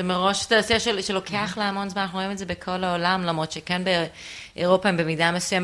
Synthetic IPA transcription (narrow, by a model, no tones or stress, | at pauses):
zemeʁo̞ʃe̥t̪asiʃelʃelo̞kʰeaχleamo̞nzmanaχnuʁoime̞tze̞bekʰo̞laolamlamʁo̞t̪ʃekenbe | ʔeʁo̞paimbemidamesujem